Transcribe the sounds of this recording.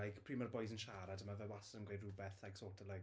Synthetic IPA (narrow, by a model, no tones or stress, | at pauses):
ajɡpʰr̥iːmarbɔjsənʃaːɾadəmavɛwasəənɡwejdrubɛθaɡsoːtʰəla